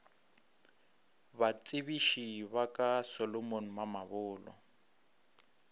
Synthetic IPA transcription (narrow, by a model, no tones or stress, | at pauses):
βat͡sʼɪβiʃiβakʼasɔlɔmon̩mamaβʊːlɔ̰